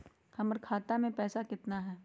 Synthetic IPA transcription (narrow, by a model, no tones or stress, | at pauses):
hɐməɾkʰaːt̪amẽpɛːsakɪt̪naɦɛː